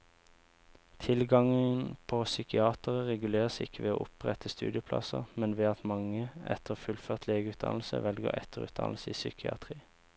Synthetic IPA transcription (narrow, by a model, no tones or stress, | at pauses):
t̪ʰɪlɡɑŋənpʰosʏkɪɑːt̪əʁəʁɛɡʉleːʁəsɪ̰kʰəʋeːo̰ːʔʊpʁɛt̪ʰəst̪ʉ̰ːd̪ɪəpʰlɑ̰səʁmɛnʋeːɑt̪mɑŋəɛ̰t̪ʰəʁfʉlføːʁt̪ʰleːɡəʉːt̪̚d̪ɑ̰nl̩sə̰ʋɛlɡo̰ːʁɛt̪ʰəʁʉ̰ːt̪̚d̪ɑ̰nl̩səiːsʏ̰kʰɪɑ̰t̪ʰʁiː